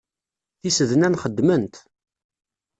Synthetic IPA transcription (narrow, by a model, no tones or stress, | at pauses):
θisəðnænχəd̪ːmənt̪